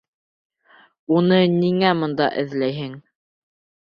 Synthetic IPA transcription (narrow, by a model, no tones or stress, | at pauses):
unɤniŋæmɤ̆nd̪ɑ̰ʔɘ̆ðlæjɦɘŋ